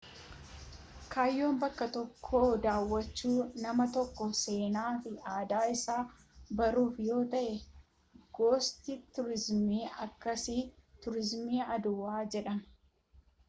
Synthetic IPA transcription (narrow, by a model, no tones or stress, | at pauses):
kʰaːjːo̞ːmbɐkːɐt̪ɔkʰːo̞ːd̪aːwːɐt͡ʃːuːnɐmɐt̪ɔkːɔseːnaːfɪaːd̪aːɪsaː | bɐɾuːfjo̞ːt̪ɐʔɛ | ɡ̥o̞ːst̪it̪ʊɾɪzmiːɐkːɐsɪt̪ʊɾɪzmiːɐd̪ʊwaːd͡ʒɛᶑɐm